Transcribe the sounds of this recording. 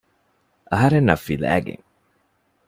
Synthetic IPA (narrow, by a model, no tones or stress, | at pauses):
ʔɐɦɐɾenːɐfːilæ̰ːɡḛŋ